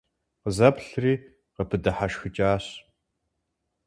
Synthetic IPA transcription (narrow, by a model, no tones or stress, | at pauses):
qəzɐpɬriː | qəpʰɨdɐħaʃxɨt͡ʃʼaːɕ